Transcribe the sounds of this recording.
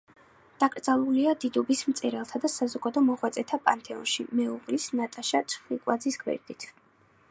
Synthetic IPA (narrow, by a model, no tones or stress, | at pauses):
d̪̥akʼɾd̪zalˠuliad̪id̪ɔbismt̪sʼɛɾɛlˠt̪ʰad̪asazɔɡad̪ɔmɔχwat̪sʼɛt̪ʰapʼant̪ʰɛɔ̰nʃḭmɛuʁlisnat̪ʼaʃat̪t͡ʃʰʼχwikʼwad̪zisɡwɛ̰ɾd̪it̪ʰ